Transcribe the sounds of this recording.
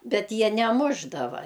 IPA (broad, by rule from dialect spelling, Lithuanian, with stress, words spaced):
ˈbʲɛt ˈjiɛ nʲɛˈmʊʒdɐʋɐ